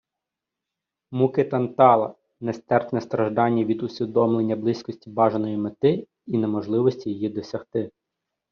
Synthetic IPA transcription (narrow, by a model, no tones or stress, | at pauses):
mukɪt̪ɐnt̪ɑlˠɐ̰ | nɛst̪ɛrt̪nɛst̪ɾɐʒd̪ɑnʲːɐʋʲid̪ʊsʲʋʲid̪ɔmlˠe̞nʲːɐblˠɪsʲkɔsʲtʲibɑʒenɔjimet̪ɪ | inemɔʒlˠɪʋɔsʲtʲijejid̪ɔsʲɐxt̪ɪ